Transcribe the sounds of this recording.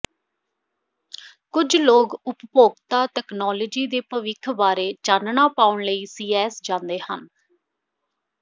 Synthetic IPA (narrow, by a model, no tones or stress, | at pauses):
kʊd͡ʒloːɡʊppoːɡt̪aːt̪ɛːknɔːləːd͡ʒiːd̪eːpəʋɪkʰbaːɾeːt͡ʃaːnnaːpaːʊɳləiːsiːɛːsd͡ʒãːnd̪eːhən